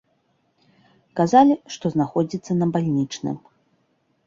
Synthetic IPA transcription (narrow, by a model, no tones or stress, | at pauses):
kazalʲiʂt̪ɔznaxɔd͡zʲit̪sːɐnɐbalʲnʲit͡ʂnɨ̰m